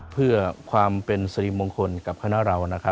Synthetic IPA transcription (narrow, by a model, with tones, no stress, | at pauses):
pʰɯ˥˩ɐkʰwaː˧mpe˧nsa˧ɾi˧mo˧ŋkʰo˧nka˨˩p̚kʰa˧na˦˥ɾa˧wna˦˥kʰɾa˦˥